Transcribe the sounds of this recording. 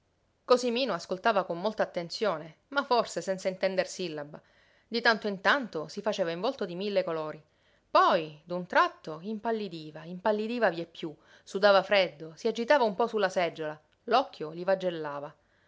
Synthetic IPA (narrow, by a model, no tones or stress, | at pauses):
kosimiːnoaskolt̪aːvakomːolt̪aːt̪ːent̪sjoːne | maforsesɛnt̪saint̪ɛnd̪ersilːaba | d̪it̪ant̪oint̪ant̪osifat͡ʃeːvaiɱvɔlt̪od̪imilːekoloːɾi | pɔjd̪unt̪ɾat̪ːoimpalːid̪iːvaimpalːid̪iːvaviepːju | sud̪aːvafɾɛd̪ːosiad͡ʒit̪aːvaumpɔsulːasɛd͡ʒːola | lɔkʰːjolivad͡ʒːelːaːva